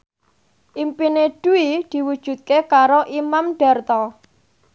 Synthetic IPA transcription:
ʔimpineɖ̥uid̪̥i̤wud̥ʒ̥ṳt̪̚kekaɾoʔimamɖ̥ɛ̤rt̪ɔ

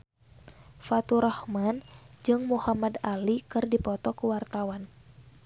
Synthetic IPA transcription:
fat̪uɾahmand͡ʒɨŋmuhamadalikɨrdipɔt̪ɔkuwart̪awan

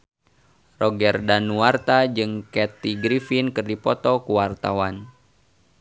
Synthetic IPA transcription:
rɔɡɛrdanuwart̪ad͡ʒɨŋkɛt̪iɡɾifinkɨrdipɔt̪ɔkuwart̪awan

